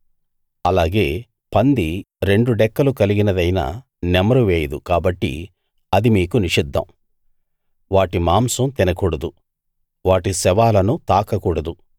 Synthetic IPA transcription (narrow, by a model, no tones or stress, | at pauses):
ɐlaːɡe̞ː | pɐnd̪i | ɾe̞ɳɖuɖɛkːɐlukɐliɡinɐd̪ɐjna̰ | nɛmɐɾuʋeːjɐd̪ukaːbɐʈːḭ | ɐd̪imiːkuniʂid̪ʱːɐ̰m | ʋaːʈimaːmsɐmt̪inɐkuːɽɐd̪u | ʋaːʈisɛʋaːlɐnut̪aːkɐkuːɽɐd̪u